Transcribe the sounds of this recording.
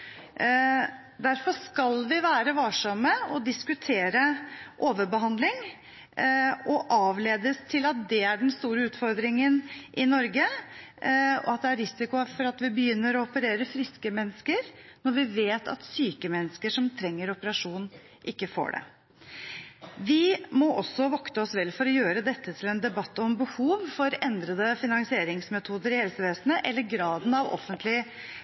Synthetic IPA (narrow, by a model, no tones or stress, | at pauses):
d̪æɾfɔʂkɑlʋɪʋæːɾəʋɑːʂɑməɔd̪ɪskʉt̪ʰeːɾəʔoːʋəɾbəɦɑnd̪lɪŋ | ɔʔɑːʋleːd̪əst̪ʰɪlɑt̪̚d̪ɛæɖɛnst̪uːɾəʉːt̪fɔɾd̪ɾɪŋənʔɪnɔɾɡə | ɔ̰ɑt̪̚d̪ɛæɾɾɪsɪkʊfɔɾɑt̪ʋɪbəjʏnːəɾɔɔpəɾeːɾəfɾɪskəmɛnːəskəɾnɔɾʋɪʋeːt̪ʰɑ̰t̪syːkəmɛnːəskəʂɔmt̪ʰɾɛŋːəɾɔpəɾɑʂuːnn | ʔɪkːəfo̰ːɖɛ̰ | ʋɪmɔʔɔsːɔʋɔkt̪əɔsʋɛlfɔɾɔjøːɾəd̪ɛt̪ʰːət̪ʰɪlɛnd̪ɛbɑt̪ːəɔmbəhuːʋfɔɾɛnd̪ɾəd̪əfɪnɑŋsɪeːɾɪŋsmɛt̪ʰuːd̪əɾɪhɛlsəʋeːsnəʔɛlːəɾɡɾɑːd̪n̩ɑʋɔ̰fːənt̪ʰlɪ